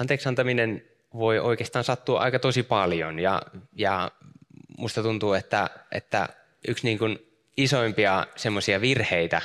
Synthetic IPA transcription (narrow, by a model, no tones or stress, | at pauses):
ɑnt̪eːksɑnt̪ɑminen | ʋoiʔo̰ˑikeːst̪ɑːnsɑt̪ːuɑʔɑ̰ikɑt̪osipɑljo̰njɑ̰jɑ | must̪ɑt̪unt̪uːet̪ːæʔḛt̪ːæ̰ | ʔyksniːŋkun | isoimpiɑsemːosiɑʋirheit̪æ